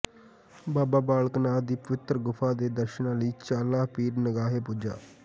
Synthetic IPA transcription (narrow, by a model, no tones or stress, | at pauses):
baːbaːbaːlknaːd̪iːpəʋɪt̪ɾɡʊfʰaːd̪eːd̪əɾʃənãːləiːt͡ʃaːlaːpiːɾnəɡaːɦeːpʊd͡ʒa̰ː